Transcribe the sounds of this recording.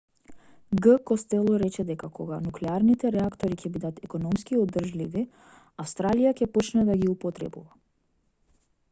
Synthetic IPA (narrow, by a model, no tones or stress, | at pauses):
ɡəkɔst̪ɛlˠɔɾɛt͡ʃɛd̪ɛkakɔɡanuklɛaɾnit̪ɛɾɛakt̪ɔɾicʲɛbid̪at̪ɛkɔnɔmskiɔd̪r̩ʒlivi | afst̪ɾalijacɛpɔt͡ʃnɛd̪aɡiupɔt̪ɾɛ̰bṵva